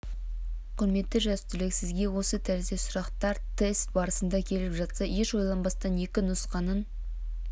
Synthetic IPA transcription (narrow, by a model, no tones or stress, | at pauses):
qʰʊɾme̞t̪ːɪʒæst̪ɪlɪksɪzɡʲe̞wo̞sət̪ʰæɾzesʊɾɑqt̪ɑɾt̪ʰe̞st̪̚bɑɾəsənd̪ɑkʲʰe̞lɪpʒɑt̪sɑje̞ʃwo̞jlˠɑnbɑst̪ɑne̞kʲɪnʊsqɑnən